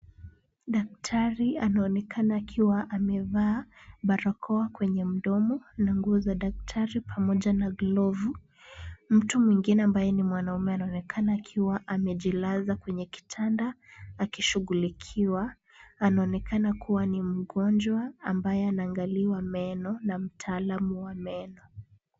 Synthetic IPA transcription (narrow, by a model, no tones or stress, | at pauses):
ɗak̚tʰaɾianaɔnɛkʰanaːkʰiwaʔamɛvaːɓaɾɔkʰɔakwɛɲɛm̩ɗɔmɔnaŋɡuːzaɗak̚tʰaɾipʰamɔʄanaɡlɔvu | m̩tumwiŋɡinɛambajɛnimwanaumɛanaɔnɛkʰanaːkʰiwaʔamɛʄilazakwɛɲɛki̥tʰandaːkiʃuɣulikʰiwa | anaɔnɛkʰanakuwanim̩ɡɔnd͡ʒwaambajɛanaːŋɡaliwamɛnɔnam̩tʰaːlamuwamɛnɔ